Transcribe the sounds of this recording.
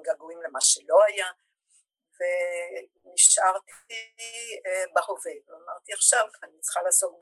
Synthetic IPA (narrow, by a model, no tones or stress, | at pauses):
ɡaɡuimlemaʃelo̞aja | ve | niʃʔaʁt̪i | bahoveveamaʁt̪iaχʃavkanit͡sχalaːso̞k̚b